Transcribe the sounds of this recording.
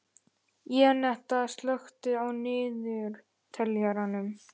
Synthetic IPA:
jɛnɛht̪aðst̪lœxt̪ɪawnɪːðʏɾ | t̪ʰɛljaɾanʏm

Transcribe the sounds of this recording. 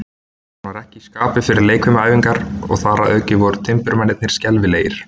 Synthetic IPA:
h | anvaɾɛhcɪiskaːpɪfɪɾɪɾleːjkʰʏmaːjviŋkaɾɔ̰ɣθaːɾaʔœːcɪvɔɾʏt̪ʰɪmpʏɾmanːɪt̪nɪɾ̥scɛlvɪleːjɪɾ̥

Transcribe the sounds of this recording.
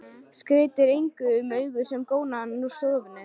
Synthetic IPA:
skɾɪːt̪ɪɾejŋkʏːmœːɥɣʏsɛmkoːwnaannu̥sɔːvɪnːʏ

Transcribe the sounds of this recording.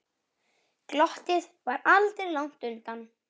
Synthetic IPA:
klɔht̪ɪðvaɾalt̪ɪɾlawŋ̥t̪ʏnt̪an

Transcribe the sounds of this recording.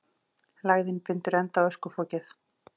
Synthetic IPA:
laːɣðɪnpɪnt̪ʏɾɛnt̪awœskʏfɔːcɪθ

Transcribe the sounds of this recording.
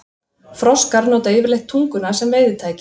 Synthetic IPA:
fɾɔskaɾnoːwt̪aevɪɾlejht̪ʰːuŋkʏnasɛmveːjðɪt̪ʰaːjcɪ

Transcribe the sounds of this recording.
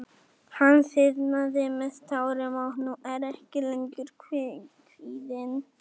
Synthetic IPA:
hansɪðnaðɪmɛðt̪ʰawɾɪmawhnuʔɛɾɛhcɪlɛɲcʏɾkʰɪkʰviːðɪn

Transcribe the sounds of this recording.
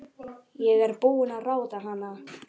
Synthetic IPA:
jɛɣɛɾpuːʏnaðraːwt̪aɦanːa

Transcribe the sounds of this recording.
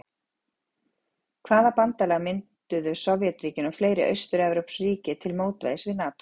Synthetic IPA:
kʰvaːðapant̪alɛɣamɪnt̪ʏðʏsowvjɛt̪ɾiːcɪnɔɣfleːjɾɪ̰ʔœ̰ɥst̪ʏɾɛvɾowpsriːcɪt̪ʰɪlmoːwt̪va̰jðɪsvɪðnaːt̪

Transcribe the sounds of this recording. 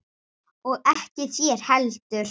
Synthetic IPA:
ɔɣɛhcɪθjɛɾ̥hɛlt̪ʏɾ̥

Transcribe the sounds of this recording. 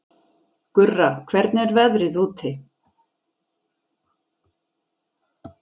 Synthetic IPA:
kʏrːakʰvɛɾt̪nɛɾvɛðɾɪðuːt̪ʰɪ

